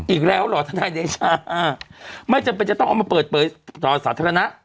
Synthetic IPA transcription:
ʔiː˨˩k̚lɛː˦˥wlɔː˨˩t̪ʰa˧˩daː˧jne˧˩t͡ɕʰaː˧˩ʔaː˧˩ma˥˩t͡ɕa˨˧mpe˧nt͡ɕa˨˩t̪ɔ˥˩ŋʔa˧˩maː˧pəː˨˩t̪̚pʰɤː˨˦jt̪ɔː˨˩saː˩˦t̪ʰaː˧ɾa˧na˦˥ʔ

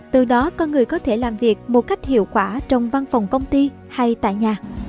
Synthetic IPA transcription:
t̪ɨ˨˩ɗɔ˨˦kɔ˧nŋɨ˨˩əjkɔ˨˦t̪ʰe˧˩laː˨˩mvi˨˩ək̚mo˨˩t̚ka˦˥jk̟̚hḭ˧˨əwkwaː˧˩t͡ɕɔ˧˩wŋ͡mva˧nfə˨˩wŋ͡mkə˧wŋ͡mt̪i˧ | ha˧jt̪a̰ː˧˨jɲaː˨˩

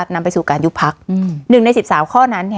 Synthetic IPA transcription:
t̪̚na˧mpa˧jsuː˨˩kaː˧nju˦˥pʰa˦˥k̚nɯ˨˩ŋna˧jsi˨˩p̚saː˩˦wkʰɔː˥˩na˦˥nːi˥˩

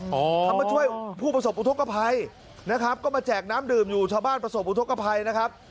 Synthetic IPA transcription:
k̪ʰa˧˩mːaː˧t͡ɕʰu˥˩əjpʰuː˥˩pɾa˧s̬o˨˩pʔu˧t̪ʰo˦˥kːa˧pʰa˧j | na˦˥kʰɾa˦˥p̚kɔː˥˩maː˧t͡ɕɛː˨˩k̚naː˦˥mdɯː˨˩mjuː˨˩t͡ɕʰaː˧wbaː˥˩npɾa˧so˨˩p̚ʔu˧t̪ʰo˦˥ka˧pʰa˧jna˦˥kʰa˦˥p̚

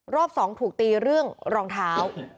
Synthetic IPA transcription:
ɾɔː˥˩p̚sɔː˩˦ŋt̪ʰuː˨˩k̚t̪iː˧ɾɯ˥˩əŋɾɔː˧ŋt̪ʰaː˦˥w

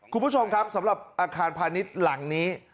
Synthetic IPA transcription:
kʰu˧npʰu˦˥t͡ɕʰo˧mkʰa˦˥p̚sa˩˦mɾa˨˩p̚ʔaː˧kʰaː˧npʰaː˧ni˦˥t̪̚la˩˦ŋniː˦˥

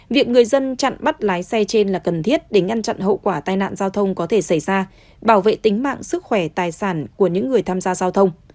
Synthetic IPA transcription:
vi˨˩ək̚ŋɨ˨˩əjzə˧nt͡ɕa̰˧˨nɓa˦˥t̚laː˨˦jsɛ˧t͡ɕe˧nlaː˨˩kə˨˩nt̪ʰi˦˥ət̚ɗe˧˩ŋa˧ŋt͡ɕa̰˧˨nɦə̰˧˨wkwaː˧˩t̪aː˧jna̰ː˧˨nzaː˧wt̪ʰə˧wŋ͡mkɔ˨˦t̪ʰe˧˩sa˧˩jzaː˧ | ɓaː˧˩wvḛ˧˨t̪ï˨˦ŋ̟ma̰ː˧˨ŋsɨ˦˥k̚xwɛ˧˩t̪aː˨˩jsaː˧˩nku˧˩əɲɨ̰˧˥ŋːɨ˨˩əjt̪ʰaː˧mzaː˧zaː˧wt̪ʰə˧wŋ͡m

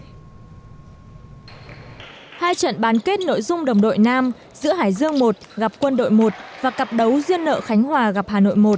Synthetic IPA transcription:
haː˧jt͡ɕə̰˧˨nɓaː˨˦nke˦˥t̚no̰˧˨jzʊ˧ŋ͡mɗə˨˩wŋ͡mɗo̰˧˨jnaː˧m | zɨ̰˧˥əɦaː˧˩jzɨ˧əŋmo˨˩t̚ɣa˨˩p̚kwə˧nɗo̰˧˨jmo˨˩t̚vaː˨˩kə˨˩p̚ɗə˨˦wzwi˧ənːə̰ː˧˨xa˨˦jŋ̟ɦwaː˨˩ɣa˨˩p̚haː˨˩no̰˧˨jmo˨˩t̚

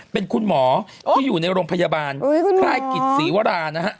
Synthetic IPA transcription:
pe˧nkʰu˧nmɔː˩˦ | t̪ʰiː˥˩juː˨˩na˧jɾoː˧ŋpʰa˧jaː˧baː˧nkʰlaː˥˩jki˨˩t̪̚siː˩˦wa˦˧ɾaː˧nːa˦˥ɦa˦˥ʔ

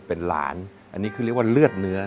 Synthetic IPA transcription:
pe˧nla̰ː˩˦n | ʔa̰˧nːiː˦˥kʰɯ˧˦i˥˩kwaː˥˩lɯ˥˩ət̪̚nɯ˦˥ɐ

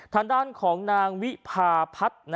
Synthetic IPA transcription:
t̪ʰaː˧ŋdaː˥˩nkʰɔː˩˦ŋnaː˧ŋwi˦˥pʰaː˧pʰa˦˥t̪̚n

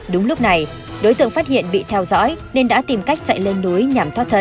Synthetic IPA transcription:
ɗʊ˨˦ŋ͡mlʊ˦˥k͡p̚na˨˩j | ɗo˨˦jt̪ɨ̰˧˨əŋfaː˦˥t̚ɦḭ˧˨ənɓḭ˧˨t̪ʰɛ˧wzɔ̰ː˧˥jne˧nɗa̰ː˧˥t̪i˨˩mka˦˥jk̟̚t͡ɕa̰˧˨jle˧nːu˨˦əjɲa˨˩mt̪ʰwaː˦˥t̪ʰə˧˩

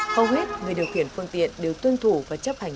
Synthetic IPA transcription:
xə˧wŋ͡mɓi˦˥ət̚ŋɨ˨˩əjɗi˨˩əwxi˧˩ənfɨ˧əŋt̪ḭ˧˨ənɗe˨˩wt̪wə˧nt̪ʰu˧˩vaː˨˩t͡ɕə˦˥p̚ha˨˩ŋ̟

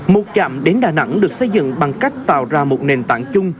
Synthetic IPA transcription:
mo˨˩t̚t͡ɕa̰ː˧˨mɗe˨˦nɗaː˨˩na̰˧˥ŋɗɨ˨˩ək̚sə˧jzɨ̰˧˨ŋɓa˨˩ŋka˦˥jk̟̚t̪a̰ː˧˨wzaː˧mo˨˩t̚ne˨˩nt̪a̰ː˧˨ŋt͡ɕʊ˧ŋ͡m

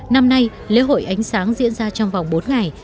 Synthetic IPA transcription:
na˧mna˧j | lḭ˧˥ɦo̰˧˨jʔa˨˦jŋ̟saː˨˦ŋzḭ˧˥ənzaː˧t͡ɕɔ˧wŋ͡mva˨˩wŋ͡mɓo˨˦nŋa˨˩j

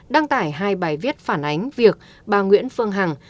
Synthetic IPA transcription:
ɗaː˧ŋt̪aː˧˩jɦaː˧jɓaː˨˩jvi˦˥t̚faː˧˩nʔa˨˦jŋ̟vi˨˩ək̚ | ɓaː˨˩ŋwḭ˧˥ənfɨ˧əŋɦa˨˩ŋ

